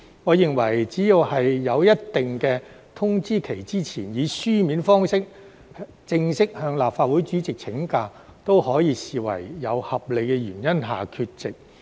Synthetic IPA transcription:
ŋɔː˨˧jɪ˨ŋwɐ̰˨˩jt͡siː˨˥ji˧whɐ˨jːɐ˨˧wjɐ˥t̚t̪ɪ˨ŋkɛː˧ | t̪ʰʊ˥ŋt͡siː˥kʰe˨˩jt͡siː˥t͡sʰiː˨˩njiː˨˧syː˥miː˨˥nfɔː˥ŋsɪ˥k̚ | t͡sɪ˧ŋsɪ˥k̚hœː˧ŋlaː˨p̚faː˧t̚wuː˨˥jt͡ʃyː˨˥t͡sɪ˨k̚t͡sʰɪ˨˥ŋkaː˧t̪o˥whɔː˨˥jiː˨˧siː˨wɐ̰˨˩jːɐ˨˧whɐ˨p̚le˨˧kɛ˧jyː˨˩njɐ˥nɦa̰ː˨kʰyː˧t̚t͡sɪ˨k̚

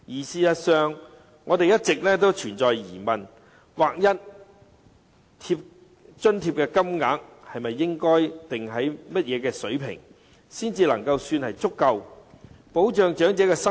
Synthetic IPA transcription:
jiː˨˩siː˨jɐ˨tsœː˨˧ŋː | ɔː˨˧te˨jɐ˥t̚t͡sɪ˨k̚lɛː˥t̪o˥wt͡ʃʰyː˨˩nt͡ʃɔː˨jjḭː˨˩mɐ˨n | waː˨k̚jɐ˥t̚ | t̪ʰiː˧p̚ | t͡ʃɵ˥nt̪ʰiː˧p̚kɛː˧kɐ˥mŋaː˨˥k̚hɐ˨jmɐ˨jːɪ˥ŋkɔː˥jt̪ɪ˨ŋɦɐ˨˥jmɐ˥t̚jɛː˨˧kɛː˧sɵ˨˥ɥpʰɪ̰˨˩ŋ | siː˥nt͡siː˧lɐ˨˩ŋkɐ˧wsyː˧nhɐ˨jt͡sʊ˥kːɐ˧wpo˨˥wt͡ʃœː˨ŋt͡ʃœː˨˥ŋt͡sɛː˨˥kɛː˧sɐ˥

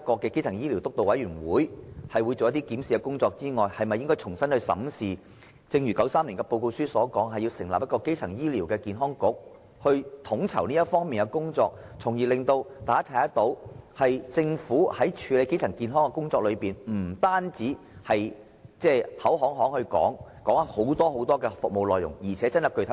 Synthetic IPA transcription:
kɔː˧kːɛː˧ke˥jt͡sʰɐ˨˩ŋjiː˥li˨˩wt̪ʊ˥k̚t̪o˨wɐ˨˥jɥyː˨˩nwuː˨˥jhɐ˨jwu˨˧jt͡so˨wjɐ˥t̪i˥kiː˨˥msiː˨˧kɛ˧kʊ˥ŋt͡sɔː˧k̚t͡siː˥ŋɔː˨˩jhɐ˨jmɐ˨jɪ˥ŋkɔː˥jt͡ʃʰʊ˨˩ŋsɐ˥nhɵ˧ɥsɐ̰˨˥msiː˨ | t͡sɪ˧ŋjyː˨˩kɐ˨˥wsaː˥mliː˨˩nkɛː˧po˧wko˧wsyː˥sɔː˨˥kɔː˨˥ŋɦɐ˨ji˧wsɪ̰˨˩ŋlaː˨p̚jɐ˥kɔ˧ke˥jt͡sʰɐ˨˩ŋjiː˥liː˨˩wkɛː˧kiː˨nɦɔː˥ŋkʊ˨˥k̚ | hɵ˧t̪ʰʊ˨˧˥ŋt͡sʰɐ˨˩wniː˥jɐ˥t̚fɔː˥ŋmiː˨nkɛ˧kʊ˥ŋt͡sɔː˧k̚t͡sʰʊ˨˩ŋjiː˨˩lɪ˨ŋt̪o˧wt̪aː˨˥t̪ʰa˨˥ɐ˥t̪o˧whɐ˨jt͡sɪ˧ŋfuː˨˥hɐ˨˥jt͡ʃʰyː˨˧le˨˧jke˥jt͡sʰɐ˨˩ŋkiː˨nɦɔː˥ŋkɛ˧kʊ˥ŋt͡sɔː˧k̚lɵ˨˧ɥpiː˨nm̩˨˩t̪aː˥nt͡siː˨˥ | hɐ˨j | t͡sɛː˥˩hɐ˨˥wɦɔː˨˥ŋɦɔː˨˥ŋhɵ˧kɔ̰ː˨˥ŋkɔː˨˥ŋaː˨˥ho˨˥wt̪ɔː˥ho˨˥wt̪ɔː˥kɛː˧fʊ˨k̚mo˨˧wlɔː˨jːʊ̰˨˩ŋjiː˨˩t͡sʰɛː˨˥t͡sɐ˥nɐ˨˩kɵ˧t̪ʰ

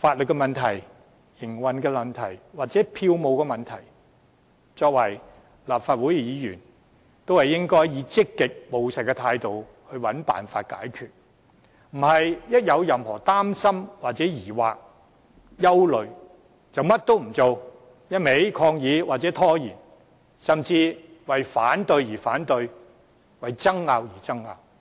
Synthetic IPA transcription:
faː˧t̚lɵ˨tkːɛ˧mɐ˨nt̪ʰɐ˨˩j | jɪ˨˩ŋwɐ˨nkɛː˧lɐ˨nt̪ʰɐ˨˩jwaː˨k̚t͡sɛː˨˥pʰiː˧wmo˨˧wkɛː˧mɐ˨nt̪ʰɐ˨˩j | t͡sɔː˧k̚wɐ˨˩j | laː˨pfaː˧t̚wu˨˥jjiː˨˧jy̰ː˨˩n | t̪o˥whɐ˨˩jɪ˥ŋkɔː˥jjiː˨˧t͡sɪ˥kːɪ˨k̚mo˨wsɐ˨˩kːɛ˧t̪ʰaː˧jt̪o˨w | hɵ˧ɥwɐ˨˥npa̰ː˨nfa̰ː˧t̚ka̰ː˨˥jkʰyː˨t̚ | m̩˨˩hɐ˨jjɐ˥t̚jɐ˨˧wjɐ˨mhɔː˨˩t̪aː˥msɐ˥mwaː˨t̚t͡sɛː˨˥jiː˨˩waː˨k̚ | jɐ˥wlɵ˨ɥ | t͡sɐ˨wmɐ˥t̚t̪o˥wm̩˨˩t͡so˨w | jɐ˥t̚me˨˥jkʰɔː˧ŋjiː˨˧waː˨t̚t͡sɛː˨˦˥t̪ʰɔː˥jiː˨˩n | sɐ˨mt͡siː˧wɐ˨jfaː˨˥nt̪ɵ˧ɥjiː˨˩faː˨˥nt̪ɵ˧ɥ | wɐ˨jt͡sɐ˥ŋːaː˧wjiː˨˩t͡sɐ˥ŋːa̰ː˧w

